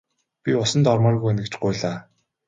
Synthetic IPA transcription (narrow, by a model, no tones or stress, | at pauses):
pʲiʊsə̆nt̪ɔrmɔːrɣujenɡɘ̆t͡ɕɢʊjːɮaː